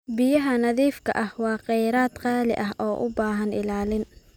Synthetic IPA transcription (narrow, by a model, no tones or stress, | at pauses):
bɪjɐɦɐnɐðiːfkʰɐ̰ʔɐhwɑːqɛjɾaːd̪qɑːlɪ̰ʔɐɦʔɔːʔʊ̰baːɦɐnɪ̰laːlɪn